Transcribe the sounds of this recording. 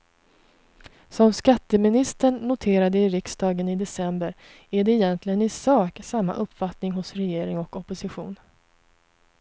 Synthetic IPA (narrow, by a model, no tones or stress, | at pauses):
sɔmskat̪ːəmɪnɪst̪əɳːʊt̪ʰeːɾad̪əɪɾɪksd̪ɑːɡənɪd̪ɛsɛmbəɾ | æɖɛɪjɛnt̪ʰlɪɡənɪsɑːksamːa̰ʔɵpːfat̪nɪŋɦʊsɾɛjeːɾɪŋɔkɔpːʊsɪɧṵːn